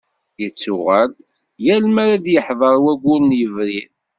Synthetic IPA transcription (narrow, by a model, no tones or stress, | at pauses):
jət͡sːʊʁæl | jælmæɾæd̪jəħðˤəɾˤwæɡʷʊɾnjəvɾiɾ